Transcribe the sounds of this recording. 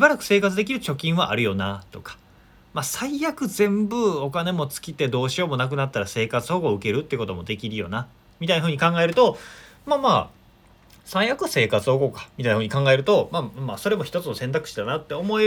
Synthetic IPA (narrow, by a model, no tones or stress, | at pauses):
ɕibaɾakɯ̟̥se̞ːkat͡sɨd̪ekʲiɾɯ̟t͡ɕo̞kʲĩɰ̃βa̰ʔa̰ɾɯ̟jo̞nat̪o̞kḁ | masaijakɯ̟zẽ̞mbɯ̟o̞kane̞mo̞t͡sɨ̥kʲit̪e̞d̪o̞ːɕio̞ːmo̞nak̬ɯ̟nat̪ːaɾase̞ːkat͡sɨo̞ɡo̞ɯ̟ke̞ɾɯ̟t̪ːeko̞t̪o̞mo̞d̪e̞kʲiɾɯ̟jo̞̰na | mʲit̪ainaɦɯ̟ɲ̟ikãŋɡae̞ɾɯ̟t̪o̞ | maːmaː | saijakɯ̟se̞ːkat͡sɨoɡo̞kḁmʲit̪ainahɯ̟ɲikãŋɡae̞ɾɯ̟t̪o̞maːmaːso̞ɾe̞mo̞çi̥t̪o̞t͡sɨno̞sẽnt̪akɯ̟̥ɕi̥d̪anat̪ːe̞o̞mo̞e